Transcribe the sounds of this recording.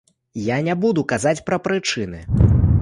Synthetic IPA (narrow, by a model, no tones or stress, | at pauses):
janʲabud̪ukazat͡sʲpɾɐpɾɨt͡ʂɨnɨ